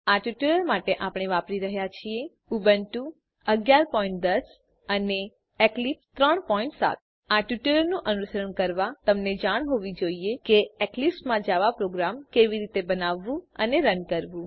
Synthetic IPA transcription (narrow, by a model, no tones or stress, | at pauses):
aʈjuʈiləɾmaʈeʔapɽ̃eʋapɾiɾəɦjat͡ʃʰie | ubənʈũ | əɡjaɾpɔĩɳʈ̚d̪əs | əne | eklipst̪ɾəɳpɔiɳʈsa̰t̪̚ | aʈjuʈeləɾnũʔənuʃəɾəɳkəɾʋat̪əmned͡ʒaɽ̃ɦoʋid͡ʒoiekeeklipsmãd͡ʒaʋapɾoɡɾamkeʋiɾit̪ebənaʋːũəneɾənkəɾʋũ